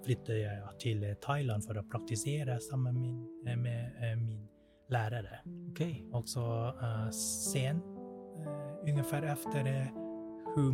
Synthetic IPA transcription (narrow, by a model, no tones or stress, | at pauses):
flʏt̪ːəjæɪt̪ʰɪlt̪ʰɑɪlɑnfɔɾoːpʰɾɑk̚t̪ɪseːɾəsɑmənmɪnmeːmiːn | læːɾəɾəkʰɑlɡsɔ | seːn | ʉŋəfæːɾɛft̪əɾ | hʉ